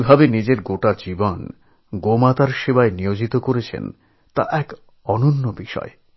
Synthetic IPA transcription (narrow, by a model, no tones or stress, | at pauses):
bʱabenid͡ʑeɾɡoʈad͡ʑibon | ɡomat̪aɾʃebaenijod͡ʑit̪okoɾet͡ɕʰḛn | t̪a̰ʔɛk | ɔnonːobiʃɔ̰e